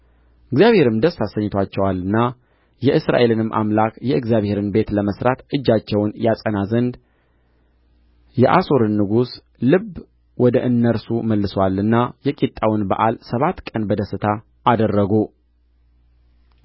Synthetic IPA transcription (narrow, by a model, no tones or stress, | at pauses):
ʔɨɡzijaβhe̞ɾɨmd̪əsːasəɲːɪt̪ʰat͡ʃːɛwalɨnːa | jɛʔɨsɾa̰ʔe̞lɨnɨmːʔa̰mlakjɛɨɡzjaβhe̞ɾɨnbe̞t̪ləməsɾat̪ɨd͡ʒːat͡ʃːɛwnjasʼənazənd̪ | jɛʔasoɾɨnːɨɡus | lɨb | wɔd̪əʔɨnːəɾsuməlːɨswalːɨnːajɛkʼit̪ʼːawɨnbə̰ʔalsəβat̪kʼənbəd̪əsɨt̪ʰaː | d̪ərːəɡu